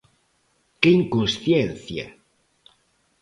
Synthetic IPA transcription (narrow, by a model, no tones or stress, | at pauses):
keiŋkõnsθjenθja̰